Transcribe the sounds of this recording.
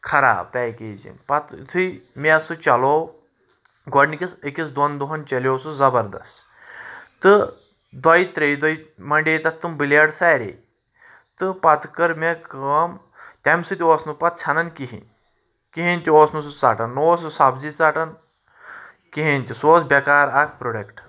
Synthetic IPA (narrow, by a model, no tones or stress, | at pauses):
kʰɐɾa̰ːpʲɛːkeːd͡ʒḭnpɐt̪t̪ʰɨjmʲesut͡ʃɐloː | ɡɔɖnikʲisekʲisd̪ɐnd̪uɦɐnt͡ʃɐlʲoːsuzɐbɐɾd̪ɐ̰st | t̪ɨ | d̪wajt̪ɾejd̪ɐimɐɳɖejt̪ɐt̪ːɨmbɨljaɽsaːɾḛj | t̪ɨpɐt̪ʰkɐɾmekəm | t̪ʲɐmsɨt̪ʲioːsnupɐt̪̚t͡sʰɐnɐnkiɦḭ̃nʲ | kiɦinʲt̪ʲioːsnusut͡saʈɐnːoːs̬ɨsabzit͡saʈɐn | kiɦinʲt̪ʲisoːsbʲɐkaːɾakpɾoɖɐkʈ